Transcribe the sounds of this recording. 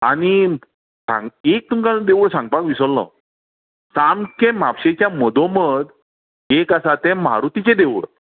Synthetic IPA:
a̰ɽ̃i | sã̰ŋɡek̚t̪uŋkad̪eʋɭsãŋɡ̚pakʋisəlːɔ̰ | samkemapɕet͡ɕjaməd̪ʱoməd̪ | ekasat̪ɛ̃mɦa̰ɾut̪it͡ɕed̪eʋɭ

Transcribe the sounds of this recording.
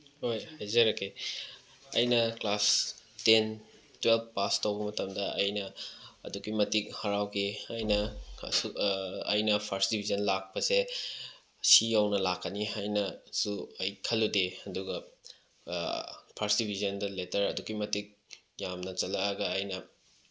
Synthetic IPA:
hojhajzɐɾɐkʰːe | ɐ̰jnɐklasten | twelp̚ʰpastɐwbɐmɐtɐmdɐɐjnɐ̰ːdukimɐtik̚hɐɾawɡeɐjnɐ̰uɐjnɐpʰaɾsdibʱizɐnlak̚pɐse | siawnɐlakʰːɐniɦajnɐsuɐjkʰɐlːudeɐduɡɐ | pʰaɾsdibʱizɐndɐletɐɾɐduɡimɐtik̚ | jamnɐt͡ʃɐlɐːɡɐːjnɐ

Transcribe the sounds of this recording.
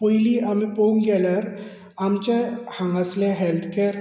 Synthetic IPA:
poiliamipouŋɡɛləɾ | amt͡ɕehãŋɡasleɦelt̪ʰkʰeɾ

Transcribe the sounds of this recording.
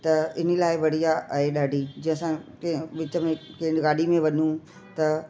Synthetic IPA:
t̪ɐɪnəlaːɪʋɐɽ̤ijaʔɐɦeɗaːɖʱid͡ʑɪ̃ɦə̃sã | ʋɪt͡ɕəmẽkɐ̃ɦɪ̃nɡaːɖimẽʋɐnũ | t̪ɐ

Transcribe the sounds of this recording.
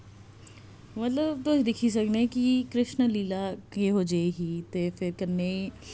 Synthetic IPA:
mɐt̪ləbt̪od̪ɪkʰis̬ɐknekikɾɪʃnəliːlakeɦod͡ʒaeɦit̪efɪɾkɐɾne

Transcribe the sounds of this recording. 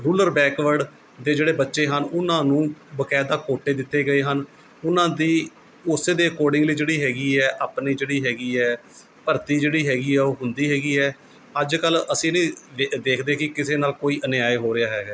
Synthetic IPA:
ɾuːləɾbɛːkʋəɾɖ | d̪eːd͡ʒeːɽeːbətːʃeːɦənʊnãːnũːbəkɛːd̪aːkoːʈːeːd̪ɪt̪ːeːɡəeːɦən | ʊnãːd̪iː | ʊseːd̪eːəkoːɾɖɪ̃ŋɡliːd͡ʒeːɽiːɦɛːɡiːɛːʔaːpniːd͡ʒeːɽiːɦɛːɡiːɛː | pəɾt̪iːd͡ʒeːɽiːɦɛːɡiːɛːoːɦʊnd̪iːɦɛːɡiːɛː | əd͡ʒkələsĩːnĩːd̪eːkʰd̪eːkɪkɪseːnaːlkoːiːʔənjaːeɦoːɾɪaːɦɛːɡaː

